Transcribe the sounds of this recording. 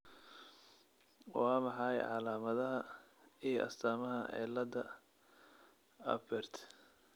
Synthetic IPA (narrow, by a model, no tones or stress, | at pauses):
wɑːmɑħɑjʕɑlaːmɐðɐɦɐ | ijɔʔɐ̰st̪ʰaːmɐɦɐʔɛ̰lɐd̪ɐ | ɐ̰bɛrt̪ʰ